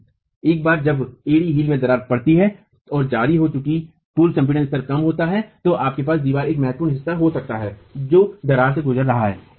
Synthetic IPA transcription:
eːk̚baːɾd͡ʒɐbeːɽiɦiːlmẽd̪ɐɾaːɾpɐɽt̪iɦɛ | ɔːɾd͡ʒaːɾiɦot͡ʃʊki | puːlkɐ̃mpiɖə̃nst̪əɾkɐmɦoːt̪aɦɛt̪oʔaːp̚kep̬aːsd̪iːʋaːɾeːkmɛɦt̪̚puːnɦɪsːaɦosɐk̚t̪aɦɛːd͡ʒoːd̪ɐɾaːɾseɡʊzəɾːɐɦaɦɛ̰ː

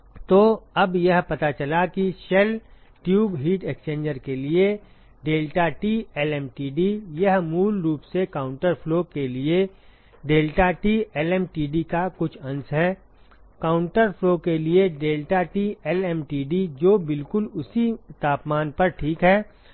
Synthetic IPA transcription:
t̪oːɐbjɐɦpɐt̪at͡ʃɐlakiʃɛlʈjuːbɦiːʈekst͡ʃẽːnd͡ʒəɾkelie | ɖeːlʈaʈiːɛlɛːmʈiːɖijɐɦmuːlɾuːpsekaːʊ̃ɳʈəɾfloːkelie | ɖeːlʈaʈiːɛlɛːmʈiːɖikakʊt͡ʃʰɐ̃nsɦɛː | kaːʊ̃ɳʈəɾfloːkelieɖeːlʈaʈiːɛlɛːmʈiːɖid͡ʒoːbɪlkʊlʊsit̪aːpmaːnpɐɾʈʰiːkɦɛː

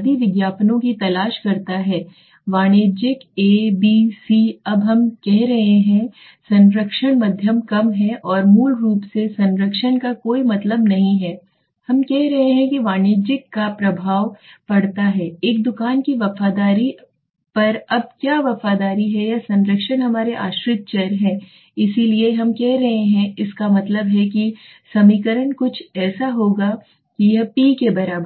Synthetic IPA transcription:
d̪iʋɪɡjaːpnõkit̪ɐlaːʃkɐɾt̪aɦɛː | ʋaːñeːd͡ʒɪkeːbiːsiːɐbɦɐmkɛɦɾɐɦeɦɛ̃ | sɐ̃nɾəkʃəɽ̃mɐd̪ʱjəmkɐmɦɛʔɔːɾmuːlɾuːpsesɐ̃nɾəkʃənkakoːimɐt̪ləbnɐɦĩɦɛː | hɐmkɛɦɾɐɦeɦɛ̃kiʋaːneːd͡ʒɪkːapɾɐbʱaːʋpɐɽt̪aɦɛːeːk̚d̪ʊkaːnkiʋɐfaːd̪aːɾi | pɐɾɐb̚kjaːʋɐfaːd̪aːɾiɦɛjasɐ̃nɾəkʃənɦɐmaːɾeʔaːʃɾɪt̪̚t͡ʃɛːɾɦɛ̃ː | ɪsilieɦɐmkɛɦɾɐɦeɦɛ̃ɪskamɐt̪ləbɦɛki | sɐmiːkəɾəɳkʊt͡ʃʰɛːsaɦoːɡa | kijɐpiːkebɐɾaːbəɾ

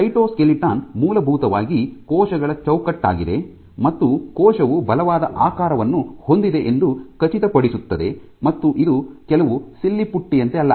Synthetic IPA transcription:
ɐjʈoːskeliʈaːnmuːlɐbʱuːt̪ɐʋaːɡikɔːʃɐɡɐɭɐt͡ʃɐwkɐʈːa̰ːɡid̪e̞ | mɐt̪ːukɔːʃɐʋubʱɐlɐʋaːd̪ɐʔaːkaːɾɐʋɐnːuho̞nd̪id̪e̞ʔend̪ukɐt͡ʃit̪ɐpɐɽisut̪ːɐd̪e̞ | mɐt̪ːuʔid̪ukɛlɐʋusilːipuʈːijɐnt̪eɐlːɐ

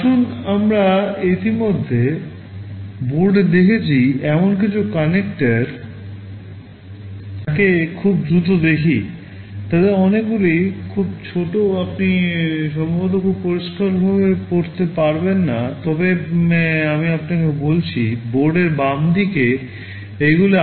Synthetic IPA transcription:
kʰunamɾait̪imod̪ʱːe | boɾɖd̪ekʰet͡ɕʰiɛmonk̬it͡ɕʰukanekʈaɾ | akekʰubd̪ɾut̪od̪ekʰi | t̪ad̪eɾɔnekɡulijkʰub̚t͡ɕʰoʈoapniʃɔmbʱod̪okʰubpoɾiʃkaɾbʱabepoɾt̪epaɾbenːat̪ɔbemɛ̃amiapnakebolt͡ɕʰiboɾɖeɾbamd̪ike | ejɡulo

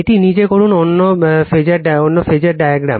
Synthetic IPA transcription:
eʈinid͡ʑekoɾunonːofed͡ʑaɾɖaonːofed͡ʑaɾɖajaɡɾa̰m

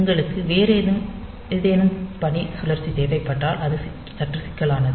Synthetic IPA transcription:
ŋɡɐɭɯkːɯʋeːɾeːðɯm | ɪðeːnɯmpɐɳːisʊlɐɾt͡ʃːit̪eːʋɐɪpːɐʈːaːlʔɐðɯ | t͡ʃɐʈːrɯsɪ̥kːɐɭaːnɐðɯ

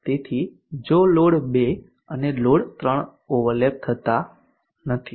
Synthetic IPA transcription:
t̪et̪ʰi | d͡ʒoloɽbe | əneloɽt̪ɾəɳ | oʋəɾleb̚t̪ʰət̪a | nət̪ʰi

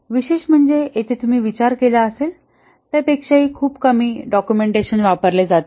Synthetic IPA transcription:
ʋiɕeɕm̤əɳd͡zeet̪ʰet̪um̤iːʋit͡ɕaɾkelaəsel | t̪apekʂaɦiːkʰuːpkəmiːɖɔkjumeɳʈeɕənʋapəɾled͡zat̪e

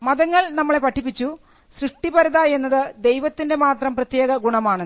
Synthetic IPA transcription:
mɐðɐŋːɐɭnɐmːɐɭe̞pɐʈʰːipːit͡ɕːu | srɨʂʈibɐɾɐðaːje̞nːɐðɨd̪e̞jʋɐt̪ːinde̞maːt̪rɐmprɐt̪jeːɣɐɡuɳɐmaːɳ

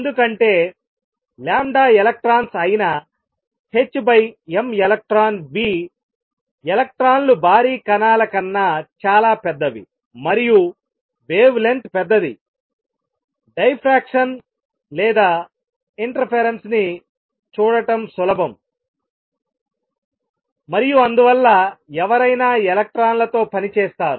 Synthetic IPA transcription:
end̪ukɐɳʈe̞ː | laːmɖaːelɐk̚ʈɾaːnsɐjinɐ | het͡ʃːbɐjemelɐk̚ʈɾaːnʋiː | elɐk̚ʈɾaːnlubʱaːɾiːkɐnaːlɐkɐnːat͡ʃaːlaːpɛd̪ːɐʋḭ | mɐɾiju | ʋeːʋle̞ɳʈpɛd̪ːɐd̪ḭ | ɖɐjpʰɾaːkʂɐn | lɛːd̪aː | iɳʈɐɾpʰeɾensni | t͡ʃuːɽɐʈɐmsulɐbɐm | mɐɾijuɐnd̪uʋɐlːaːɛʋɐɾɐjnaːelɐk̚ʈɾaːnlɐt̪o̞ːpɐnit͡ʃɛːst̪aːɾu

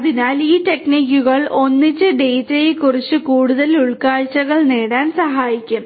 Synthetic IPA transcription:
ɐðinaːliːʈe̞kniːkʲːuɣɐɭo̞nːit͡ɕːɨɖeːtijkːurit͡ɕːɨkuːɽuðɐluɭkaːɻt͡ɕːɐɣɐɭneːɽaːnsɐɦaːjikʲːum

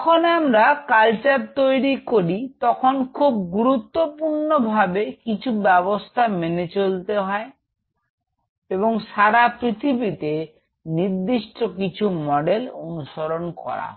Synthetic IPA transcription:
ɔkʰonamɾakalt͡ɕaɾt̪ojɾikoɾit̪ɔkʰonkʰub̚ɡuɾut̪ːopuɾnobʱabekit͡ɕʰubɛbost̪ʰamenet͡ɕolt̪eɦɔe | eβoŋʃaɾapɾit̪ʰibit̪e | niɾd̪iʃʈokit͡ɕʰumɔɖelonuʃoɾonkɔ̰ɾa̰

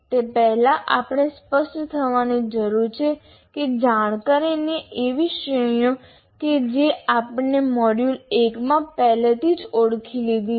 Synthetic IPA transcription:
t̪epɛɦlaʔapɳ̃espəʃʈt̪ʰəʋanid͡ʒəɾuɾt͡ʃʰe | ked͡ʒaɽ̃kaɾineʔeʋiʃəjõ | ked͡ʒeapnemɔɽjulekmãpɛɦlet̪ʰid͡ʒoɽkʰilid̪i

